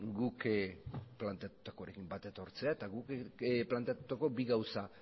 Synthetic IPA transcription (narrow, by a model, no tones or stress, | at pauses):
ɡuk | plant̪eat̪u̥t̪ako̞ɾe̞kimbat̪e̞t̪o̞ɾt͡se̞aet̪aɣukplant̪eat̪u̥t̪ako̞biɣawsa